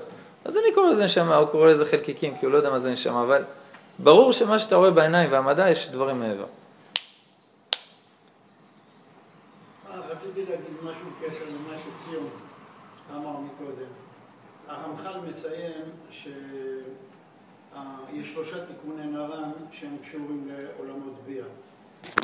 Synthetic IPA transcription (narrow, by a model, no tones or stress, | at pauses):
azanikoʁelezeneʃamauko̞ʁeleze̞χelkikimkiulood̪amazeneʃa̰maːval | baʁuʁʃe̞maʃeat̪aʁoe̞beenaimveamad̪ajeʃd̪vaʁimeevḛʁ | aaχat͡sit̪ileaɡid̪maʃubekeʃeʁmimaʃet͡sijomt͡s | aːmaʁmiko̞d̪e̞m | aʁamχalme̞t͡saje̞mʃe | ajeʃːlo̞ʃat̪ikunenaʁanʃehemkʃuʁimle̞olamo̞t̪bia